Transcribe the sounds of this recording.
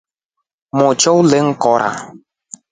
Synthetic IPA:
mɔt͡ʃowleŋ̩kɔɾa̰

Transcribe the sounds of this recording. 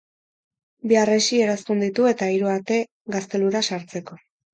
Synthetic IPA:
biaresie̞ɾast̪und̪it̪ue̞t̪aiɾuaɾt̪e̞ | ɡast̪e̞luɾasaɾt͡se̞ko̞

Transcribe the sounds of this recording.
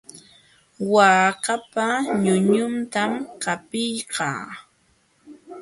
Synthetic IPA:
waːkapaɲʊɲʊnt̪amkapɪjqɑ̰ː

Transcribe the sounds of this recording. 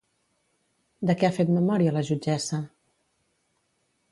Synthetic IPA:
d̪əkɛafet̪məmɔɾiələʒud͡ʒɛsə

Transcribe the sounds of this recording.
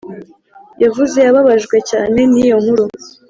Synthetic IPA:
javuze̞jaβaβaʒɡwe̞ca̰ːne̞nijo̞m̥huɾo

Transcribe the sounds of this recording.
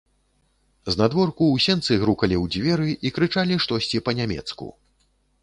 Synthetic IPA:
znad̪vɔrkuwsʲɛnt̪sɨɣɾukɐlʲiwd͡zʲvʲɛɾɨʔikɾɨt͡ʂalʲiʂt̪ɔsʲt͡sʲipɐnʲamʲɛ̰t̪skṵ

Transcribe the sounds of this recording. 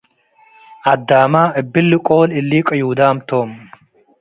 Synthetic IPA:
ʔɐd̪ːaːmaːʔɨbːɪlːkʼoːlɪlːiːkʼɨjuːd̪aːmt̪ʰoːm

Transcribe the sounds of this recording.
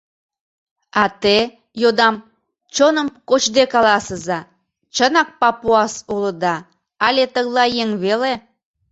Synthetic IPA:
ɑt̪e | jod̪ɑm | t͡ɕonəmkot͡ɕd̪ekɑlɑsəzɑ | t͡ɕənɑk̚pɑpuɑsulə̆d̪ɑ | ɑlʲet̪əɣlɑjeŋβele

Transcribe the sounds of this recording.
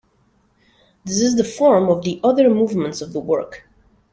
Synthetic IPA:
ðɪs̬ɨzðəfɔɹmʌvðiʔʌðə˞muvmə̃ntsʌvðəwɜ˞k

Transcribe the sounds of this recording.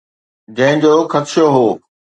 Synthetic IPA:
d͡ʑɐ̃ɦɪ̃d͡ʑoːxɐt̪ʃjoɦoː

